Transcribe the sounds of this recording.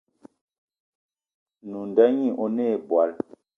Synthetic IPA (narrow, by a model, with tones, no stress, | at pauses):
nu˨nda˦ɲi˦˨ʔɔ˦ne˦˨bwa˨˦l